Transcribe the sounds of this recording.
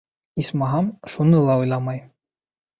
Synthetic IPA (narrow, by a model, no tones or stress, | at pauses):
ismɑɦɑmʃunɤlˠɑujlˠɑmɑj